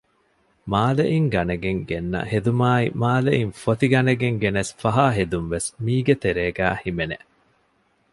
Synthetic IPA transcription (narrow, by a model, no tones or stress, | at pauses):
maːleʔiŋɡɐnɐɡeŋɡenːɐ̰hed̪umaːimaːleʔinfot̪iɡɐnɐɡeŋɡenesfɐɦaːɦed̪umʋesmiːɡet̪eɾeːɡæːhimenḛʔ